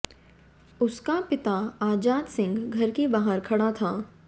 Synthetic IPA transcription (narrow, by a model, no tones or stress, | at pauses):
ʊskapɪt̪aaːd͡ʒaːd̪sɪ̃ŋɡɡʱɐɾkebaːɦəɾkʰɐɽat̪ʰaː